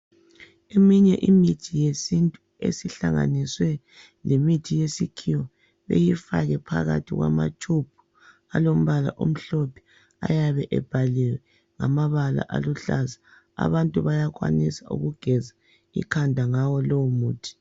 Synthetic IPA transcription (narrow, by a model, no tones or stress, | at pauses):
emiɲɛʔimitʰijesintʼu | ḛsiɬaŋa̰niswɛ | lemitʰijesikʰiwɔ | βḛjifaɣɛpʰaɣa̰tʰiɣwa̰ma̰t͡ʃʰʼupʰu̥ | alom̩βala̰ʔo̰m̩ɬopʰi̥ | a̰jaβɛʔɛb̥ʱalɛwɛ | ŋamaβala̰ʔa̰luɬaza | a̰βantʼuβajaɣwa̰nisaṵɣuɡ̥ʱɛza | ḭkʰandʱaŋawɔlowumuːtʰi̥